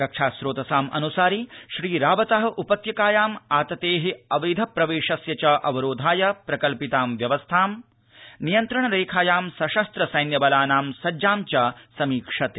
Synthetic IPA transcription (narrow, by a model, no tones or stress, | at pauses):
ɾɐkʂaːʃɾoːt̪ɐsaːmʔɐ̰nusaːɾiʃɾiːɾaːʋɐt̪ɐɦɐʔupɐt̪jɐkaːjaːmaːt̪ɐt̪eːɦiɐʋɐjd̪ʱɐpɾɐʋeːʃɐsjɐt͡ʃɐʔɐʋɐɾoːd̪ʱaːjɐpɾɐkɐlpit̪aːmʋjɐʋɐst̪ʰaːm | nijɐnt̪ɾɐɳɐɾeːkʰaːjaːmsɐʃɐst̪ɾɐsɐjnjɐbɐlaːnaːmsɐd͡ʒaːmt͡ʃɐsɐmiːkʂɐt̪e